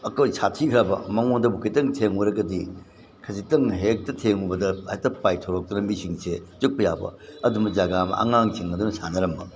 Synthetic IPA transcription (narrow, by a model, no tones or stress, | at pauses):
ɐkojsʰatʰikʰɾabɐmɐŋoŋdɐbukʰitɐŋtʰeŋoɾɐɡɐdi | kʰɐsitɐŋɦek̚tɐtʰeŋubɐdɐajtɐpajtʰoɾok̚tɐnɐmisiŋsezuk̚pɐjabɐ̰ɐdumɐzaɡamɐ̰ʔa̰ŋaŋsʰiŋɐdunɐsanɐɾɐmbɐ